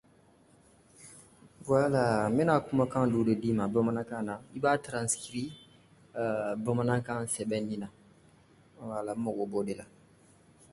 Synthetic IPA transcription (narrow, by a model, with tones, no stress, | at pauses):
wa˦la˨me˦na˨ku˦ma˦kã˦du˨˦de˨di˦ma˨ba˦ma˦na˦kã˦na˨i˦ba˦tɾã˨ski˨ɾi˦˨ | ba˦ma˦nã˦kã˦sɛ˨bɛ̃˦nĩ˦na˨ | wa˨la˨˦mɔ˨ɡɔ˨bo˦de˨la˨